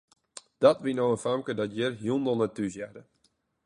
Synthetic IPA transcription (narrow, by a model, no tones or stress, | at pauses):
d̥ɔtʋinowənfamkədɔtjɪrɦjundɔlˠnɛtysjɛdə